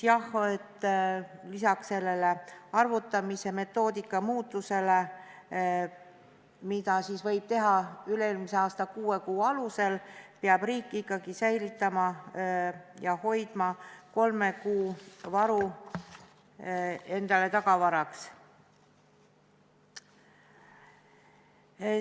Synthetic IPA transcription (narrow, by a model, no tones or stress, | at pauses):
jɑhet̪ːˑlisɑksse̞lːe̞leɑrvut̪ːˑɑmise̞me̞t̪ːˑo̞ːd̪ikːˑɑmuːt̪ːˑuse̞le | mit̪ɑsiːsvɤ̞jb̥̚t̪e̞ɦɑyleeːlmiseɑːst̪ɑkuːe̞kuːɑluse̞lpeɑb̥riːkːiikːˑɑɡisæjlit̪ːˑɑmɑ | jɑho̞jd̪̥mɑko̞lme̞kuːvɑɾu | e̞nd̪̥ɑle̞t̪ɑɡɑvɑɾɑks